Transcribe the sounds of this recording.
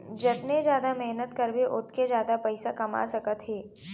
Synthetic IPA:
d͡ʒɐt̪ned͡ʒjaːd̪amɛɦnət̪kɐɾbeʔʊt̪ked͡ʒjaːd̪apɛɪsakɐma̰sɐkət̪ɦɛː

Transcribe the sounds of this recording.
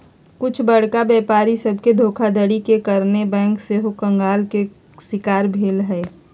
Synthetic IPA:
kʊt͡ʃʰbɐɽ̤kabjɛːpaːɾisɐbʱked̪ʱoːkʰad̪əɽikekəɾnebɛ̃ːŋkseɦokə̃ŋɡaːlke | sɪkaːɾbʱeːlɦɛː

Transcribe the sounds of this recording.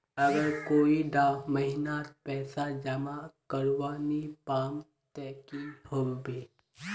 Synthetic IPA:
ɐɡəɾkoːiɖaːmɐɦɪnaːt̪̚pɛːsad͡ʒɐmakəɾʋaːnipaːm | t̪ɛːkihobeː

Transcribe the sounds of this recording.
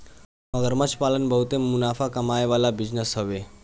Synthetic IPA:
məɡəɾmət͡ɕpalənbʱəɦut̪emunafakəmajʋalabid͡ʑnəsɦəʋe

